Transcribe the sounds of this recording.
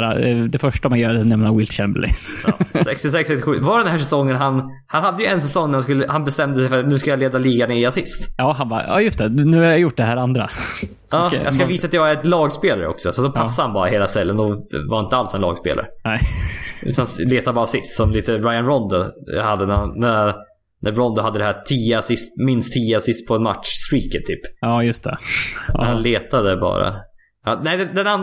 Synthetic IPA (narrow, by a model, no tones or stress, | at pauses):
ɾad̪ɛfœʂʈamanjœːɛnɛmnaɾwɪlt̪ɕɛmblɪ̰sɛ̰kst̪ɪsɛksɛkst̪ɪɧʉ̟ːvaɖɛnɦæːʂɛsɔŋːənɦan | hanhad̪ːəjɵɛnsɛsɔŋːnæɾhanskɵlːəhanbɛst̪ɛmd̪əsɛjfœɾat̪nʉ̟ːskajɑleːd̪aliːɡaneɪasɪst̪ʔɑːɦanbɑ̰ɑ̰ːjɵst̪ɛnʉ̟ːhaɾjajʊʈ̚ːɖɛɦæːɾand̪ɾa̰ | ɑːjɑ̰ɡskaviːsaːt̪jɑːɡæɾɛt̪lɑːɡspeːlaɾə̰ɔ̰ksɔsɔt̪d̪ɔpʰasːaɾhanbɑːɾaɦeːlast̪ɛlːənd̪ɔvaɾjɪnt̪əalsɛnlɑ̰ːɡspḛːla̰ɾən | ʔʉ̰ːt̪anleːt̪aɾbɑːɾasɪst̪sɔmliːt̪əɾaɪanɾɔnd̪ʊhad̪ːənnæ | nʔæɾɔnd̪ʊɦad̪ːəd̪ɛhæːʈʰiːasɪst̪mɪnst̪ʰːiːasɪst̪̚pʰɔɛnma̰t̪ʂst̪ɾiːkət̪ʰːyːpɑːjɵst̪ʰɛ̰ | hanleːt̪ad̪əbɑ̰ːɾa̰ | nɛɪd̪ɛd̪ɛnan